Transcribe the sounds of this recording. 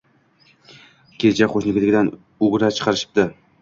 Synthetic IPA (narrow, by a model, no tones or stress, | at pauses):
kʲʰet͡ʃʰaqʰoʃnɪkʲlɪɡʲɪd̪an | ʊʁɾat͡ʃʰɨ̥qʰɑɾɪʃɪ̥p̚d̪ɪ